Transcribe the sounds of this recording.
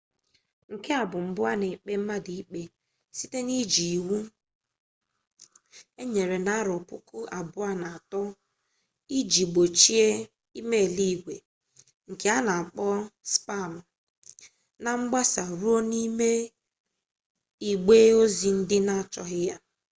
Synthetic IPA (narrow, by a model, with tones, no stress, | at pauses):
ŋ̩˨ke˦a˨bʊ˨m̩˨bʊ˦a˦ne˨k͡pe˦m̩˦ma˦di˨i˦k͡pe˦ | si˦te˦ni˦d͡ʒi˨wu˦ | e˦ɲe˨ɾe˨na˦ɾɔ˨pʊ̰˦kʊ˦a˨bʊ˦a˦na˨a˨tɔ˦ | i˦d͡ʒi˨ɡ͡bo˨t͡ʃi˦e˦ | i˦me˦˨li˦˨ɡʷe˨ | ŋ̩˨ke˦a˦na˨a˨k͡pɔ˦spa˦˨l̩˨ | na˨ŋ͡m̩˦ɡ͡ba˦sa˨ɾu˦o˦ni˦me˦ | i˨ɡ͡beː˦o˦zi˨n̩˦dɪ˦na˦˨t͡ʃɔ˦ɦɪ˦ja˦